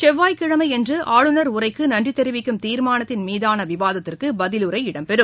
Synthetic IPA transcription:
t͡ʃɛʋːaːjkɪɻɐmɐɪɛndrɯʔaːɻɯnɐɾʊrɐɪkːɯnɐɳdrit̪ːɛɾɯʋɪkːɯmt̪iːɾmaːnɐt̪ːɪnmiːðaːnɐʋɪʋaːðɐt̪ːɪrkɯbɐðɪlɯɾɐɪɪɽɐmpɛɾɯm

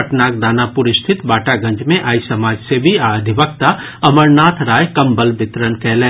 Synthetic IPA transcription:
əʈnaːkd̪aːnapʊɾɪʃt̪ʰɪt̪baːʈaɡɐ̃ɲd͡ʒmẽʔaːisɐmaːd͡ʒsebʱiaːd̪ʱiʋəkt̪a | ɐməɾnaːt̪ʰɾaːjkɐmbəlbɪt̪ɾənkɛːlẽː

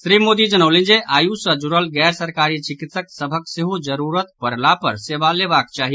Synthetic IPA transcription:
sɾimod̪id͡ʒənəwlend͡ʒeʔajusəd͡ʒuɾəlɡɛːɾsəɾkaɾit͡ʃikit̪səksəbʱəkseɦud͡ʒəɾuɾət̪pəɾlapə̰ɾsebalebak̚t͡ʃaɦi

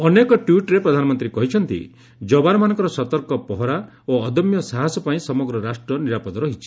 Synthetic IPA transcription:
ɔnekɔʈjuʈɾepɾɔd̪ʱanɔmɔnt̪ɾikɔɦit͡ʃʰɔnt̪ḭ | d͡ʒɔbaɾɔmanɔŋkɔɾɔsɔt̪ɔɾkɔpɔɦɔɾa | oɔd̪ɔmjɔsaɦasɔpaĩsɔmɔɡɾɔɾasʈɾɔniɾapɔd̪ɔɾɔɦit͡ʃʰi̥

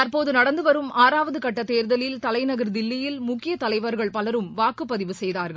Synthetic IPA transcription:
t̪ɐɾpoːðɯnɐɽɐnd̪ɯʋɐɾɯmaːɾaːʋɐðɯkɐʈːɐt̪ːeːɾðɐlɪlt̪ɐlɐɪnɐɣɐɾd̪ɪlːɪjɪlmʊkːɪjɐt̪ɐlɐɪʋɐɾɣɐɭpɐlɐɾɯmʋaːkɯpːɐðɪʋɯsɛjðaːɾɣɐɭ

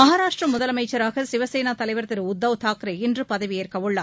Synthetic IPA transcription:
mɐɦaːɾaːʂʈrɐmʊðɐlɐmɐɪt͡ʃːɐɾaːɣɐsɪʋɐseːnaːt̪ɐlɐɪʋɐɾt̪ɪɾʊd̪ːɐʋt̪ʰaːkɾɐɪndrɯpɐðɐʋɪjeːɾkɐʋɯɭːɐ

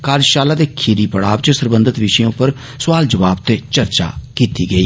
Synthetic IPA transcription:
kaːɾd͡ʒʃaːlaːd̪eːkʰiːɾiːpəɽaːbt͡ʃəsəɾbə̃nd̪ət̪ʋɪʃĩʊpːəɾ | sʊʋaːld͡ʒəʋaːbt̪eːt͡ʃəɾt͡ʃa̰ːkiːt̪iːɡəiː

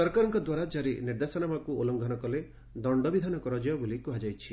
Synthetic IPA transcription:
sɔɾkaɾɔŋkɔd̪waɾad͡ʒaɾeniɾd̪esɔnamakuolɔŋɡʱɔnɔkɔle | d̪ɔɳɖɔbid̪ʱanɔkɔɾɔd͡ʒɔjabulikuɦad͡ʒajt͡ʃʰi

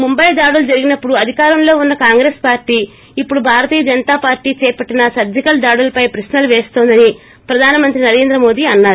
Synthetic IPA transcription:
mumbɐjd̪aːɽulud͡ʒɐɾiɡinɐpːuɽuɐd̪ʱikaːɾɐmlo̞ːunːɐkaːŋɡɾeːspaːɾʈiː | ipːuɽubʱaːɾɐt̪iːjɐd͡ʒɐnt̪aːpaːɾʈiːt͡ʃɛːpɐʈːinɐsɐd̪jɐkɐld̪aːɽulɐpɐjpɾɐsnɐlʋeːst̪oːnd̪ɐni | pɾɐd̪ʱaːnɐmɐnt̪ɾinɐɾe̞ːnd̪ɾɐmo̞ːd̪iːɐnːaːɾu

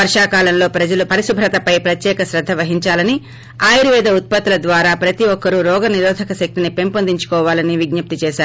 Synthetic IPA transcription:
ɐɾʂaːkaːlɐmlo̞ːpɾɐd͡ʒɐlupɐɾisubʱɾɐt̪ɐpɐjpɾɐt̪jɛːkɐsɾɐd̪ʱːɐʋɐɦiɲt͡ʃaːlɐni | aːjiɾuʋɛːd̪ɐut̪̚pɐt̪ːulɐd̪ʋaːɾaːpɾɐt̪iɔkːɐɾuɾɔːɡɐniɾɔːd̪ʱɐkɐʃɐk̚t̪inipe̞mpond̪iɲt͡ʃu̥kɔːʋaːlɐniʋiɡ̚nɐp̚t̪it͡ʃɛːʃaːɾu

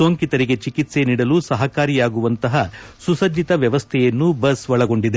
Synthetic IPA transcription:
soːŋkit̪ɐɾiɡe̞t͡ʃikit̪se̞niːɽɐlusɐɦɐkaːɾijaːɡuʋɐnt̪ɐɦɐsusɐd͡ʒit̪ɐʋjɐʋɐst̪ʰɛjɐnːubɐsʋɐɭɐɡo̞ɳɖid̪e

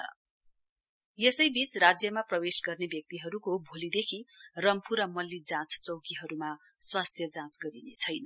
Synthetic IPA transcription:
ʌ̰ | jesʌjbit͡srad͡zjʌmaprʌwesɡʌrnebjʌk̚t̪iɦʌɾukobʱolid̪ekʰirʌmpʰuɾʌmʌlːid͡zãt͡st͡sʌwkiɦʌɾuma | swast̪ʰjʌd͡zãt͡sɡʌɾinet͡sʰʌjnʌ

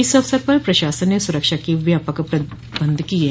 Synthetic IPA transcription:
ɪsɐfsəɾpɐɾpɾɐʃaːsənːesʊɾəkʃakeʋjaːpakapɾɐ | bə̃nd̪ʱkie

